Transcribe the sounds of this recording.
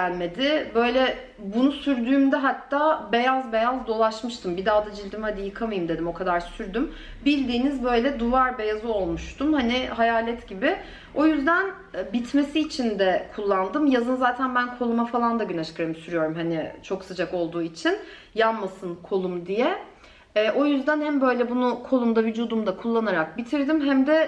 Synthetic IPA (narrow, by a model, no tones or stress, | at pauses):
ælʲme̞d̪ɪbø̞jlʲɛ | bunusyɾd̪yːmd̪ɛɦat̪ʰːaːbe̞jazbe̞jazd̪o̞lˠaʃmɯʃt̪ʰɯmbid̪aːd̪ad͡ʒilʲd̪imhad̪ijɯkʰamajɯmd̪e̞d̪imo̞kʰad̪aɾsyɾd̪ym | bilʲd̪iːnizbø̞jlʲɛd̪uvaɾbe̞jazɯo̞lˠmuʃt̪ʰumhanɪɦajaːlʲɛt̪ɟibɪ | o̞jyzd̪æn | bit̪ʰme̞siːt͡ʃʰind̪ɛkʰulˠːand̪ɯmjazɯnzaːt̪ʰænbænkʰo̞lˠumafalˠand̪aɟynat͡ʃʰɯ̥kʰaɾɯmisyɾyjo̞ɾumɦanɪt͡ʃʰo̞ksɯd͡ʒako̞lˠd̪uːit͡ʃʰin | janmasɯnkʰo̞lˠumd̪ijɛː | ʔo̞jyzd̪ænhæmbø̞jlʲɛbunukʰo̞lˠumd̪avyd͡ʒuːd̪umd̪akʰulˠːanaɾak̚bit̪ʰiɾd̪imɦæmd̪ɛ